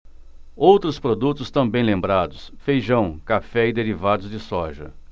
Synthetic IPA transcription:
owt̪ɾʊspɾod̪ut̪ʊst̪ɐ̃w̃bẽj̃lẽmbɾad̪ʊsfejʒɐ̃w̃kafɛɪd̪eɾivad̪ʊzd͡ʒɪsɔʒɐ̰

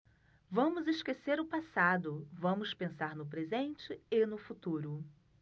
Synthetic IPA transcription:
vɐ̃mʊzɪskeseɾʊpasad̪ʊvɐ̃mʊspẽsaɾnʊp̬ɾezẽnt͡ʃɪɪnʊfut̪uɾʊ

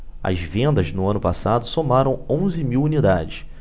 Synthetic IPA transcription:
ɐ̰zvẽnd̪ɐznʊɐ̃nʊpasad̪ʊsomaɾɐ̃w̃õw̃zɪmiwunid̪ad͡ʒɪs

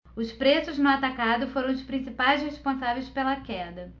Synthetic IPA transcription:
ʊspɾesʊznʊat̪akad̪ʊfoɾɐ̃w̃ʊspɾĩsipajzhespõsavejspelɐkɛd̪ɐ

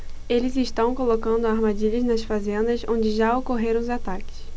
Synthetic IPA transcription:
elɪzɪʃt̪ɐ̃w̃kolokɐ̃nd̪ʊaɾmad͡ʒiʎɐznɐsfazẽnd̪ɐsõnd͡ʒɪʒaokoɦeɾɐ̃w̃zat̪akɪ̥s

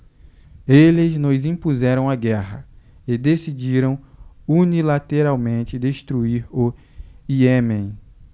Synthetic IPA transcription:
elɪznʊzĩpuzɛɾɐ̃w̃aɡɛhɐɪd̪esid͡ʒiɾɐ̃w̃unilat̪eɾawmẽt͡ʃɪd̪eʃt̪ɾuiɾʊ | iemẽj̃

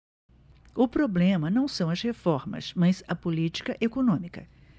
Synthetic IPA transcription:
ʊpɾoblẽmɐnɐ̃w̃sɐ̃w̃ɐzhefɔɾmɐ̰smɐzɐpolit͡ʃi̥kɐʔekonõmikɐ̰

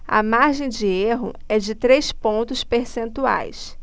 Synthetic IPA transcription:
ɐ̰maɾʒẽj̃d͡ʒɪeɦʊ̰ | ɛd͡ʒɪt̪ɾejspõnt̪ʊspeɾsẽnt̪ua̰js

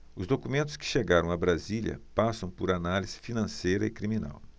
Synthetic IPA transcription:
ʊzd̪okumẽnt̪ʊ̥skɪ̥ʃeɡaɾɐ̃w̃abɾaziljɐ̰pasɐ̃w̃pʊɾanaliz̥ɪ̥finɐ̃sejɾɐɪkɾimĩna̰w

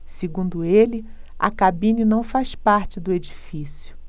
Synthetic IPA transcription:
seɡũnd̪ʊelɪ | ɐ̰kabĩninɐ̃w̃faspaɾt͡ʃɪd̪ʊed͡ʒifisjʊ

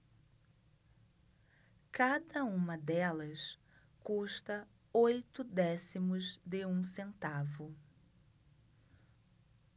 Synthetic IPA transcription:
kad̪ɐũmɐd̪ɛlɐs | kuʃt̪ɐ | ojt̪ʊd̪ɛsimʊzd̪ɪũsẽnt̪avʊ

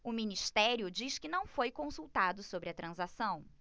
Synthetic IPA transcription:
ʊminiʃt̪ɛɾjʊd͡ʒiʃkɪnɐ̃w̃fojkõsuwt̪ad̪ʊsobɾɪɐt̪ɾɐ̃zasɐ̃w̃

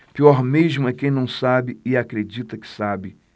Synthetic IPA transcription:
piɔɾmeʒmʊɛkẽj̃nɐ̃w̃sabɪɪakɾed͡ʒit̪ɐkɪ̥sabɪ

